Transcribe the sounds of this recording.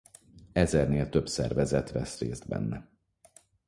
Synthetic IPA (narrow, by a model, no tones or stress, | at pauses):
ɛzɛrneːlt̪øbsɛ̰rvɛzɛt̪vɛsreːzd̪̚bɛ̰nːɛ